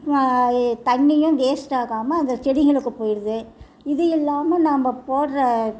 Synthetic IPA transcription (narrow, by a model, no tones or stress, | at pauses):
t̪ɐɳːɪjʊ̃ɡeːsʈaːɣaːmɐːnd̪ɐsɛɽɪɣɡɐɭɯkːɯpoːjɪɾɐðɯ | ɪðɯɪlːaːmɐnaːmɐpoːʈɾɐ